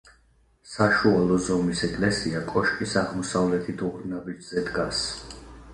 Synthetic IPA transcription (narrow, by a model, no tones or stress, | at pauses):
saʃualˠɔzɔmisɛkʼlɛsiakʼɔʃkʼisaʁmɔsavlɛt̪ʰit̪ʰuɾnabid͡ʒz̥ɛd̪ɡas